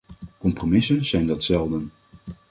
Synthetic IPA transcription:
kɔmpromɪsənz̥ɛjndɑtsɛlˠdən

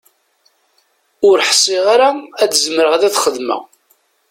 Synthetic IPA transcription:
ʊɾħsˤːiʁaɾaædəzməɾəʁðæθχəðmæ̰

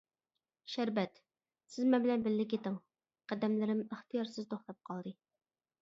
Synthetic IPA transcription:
ʃæɾbɛt̪ | sɪzmɛnbɪlɛnbɪlːɪkʲet̪ɪŋ | qʰæd̪ɛmlɪɾɪməχt̪ʰɨjɑɾsɨzt̪ʰoχt̪ɑp̚qʰɑlˠd̪ɨ

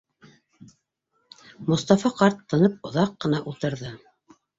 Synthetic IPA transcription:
mŏst̪ɑfɑqɑɾt̪ːɤ̆nɤp̚ŏðɑqːɤ̆nɑʔulˠt̪ɤ̆ɾðɤ

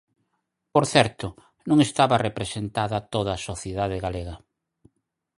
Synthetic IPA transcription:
poɾθɛɾt̪ʊ | nõŋest̪aβɐrepɾesent̪aðɐt̪oðɐːsoθjeðaðeɣaleɣɐ

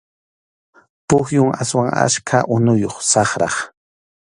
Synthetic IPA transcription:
pʊxjʊŋaswaŋa̰skʰaʔʊnʊjoχsɑχɾɑχ

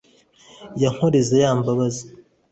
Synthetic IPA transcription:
jaŋ̥hoɾezajaːmbaβazi

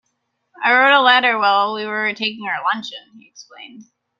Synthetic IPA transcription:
aɪɹoʊɾəlɛɾə˞wɛlˠwiwə˞tʰeɪkɪ̃ŋaəlʌ̃nt͡ʃɨ̃niɨksplḛ̃ɪ̃nd̥

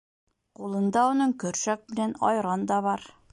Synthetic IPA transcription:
qulˠɤ̆nd̪ɑunɤɴkɵ̆ɾʃæk̚mɘ̆lænɒ̰jɾɑnd̪ɑβɑɾ

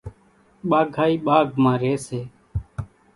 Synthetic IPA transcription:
ɓaːɡʱaːiːɓaːɡʱmãːɾeːseː

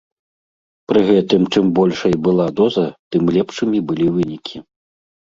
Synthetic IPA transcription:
pɾɨɣɛt̪ɨmt͡ʂɨmbɔlʲʂɐjbɨlˠad̪ɔzɐt̪ɨmlʲɛpʂɨmʲibɨlʲivɨnʲikʲʰi

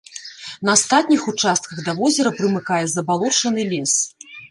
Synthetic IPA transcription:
nɐast̪at̪̚ʲnʲixut͡ʂast̪̚kɐɣd̪ɐvɔzʲɛɾɐpɾɨmɨkajɛzɐbalˠɔt͡ʂɐnɨlʲɛs

